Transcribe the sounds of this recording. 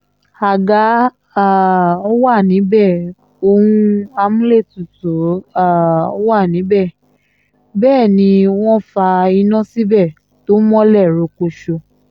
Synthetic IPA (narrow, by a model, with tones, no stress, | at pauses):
a˨ɡa˨˦ | a˦˨ɔ˦wa˦˨nĩ˨˦bɛ˦˨ | o˧hũ˧a˧mũ˦le˦˨tu˨to˨˦a˦˨o˦wa˦˨nĩ˨˦bɛ˦˨ | bɛː˦˨nĩ˧w̃ɔ̃˦fa˧i˧nã˦si˦bɛ˦˨ | to˨˦mɔ̃˦lɛ˦˨ɾo˨ko˧ʃo˧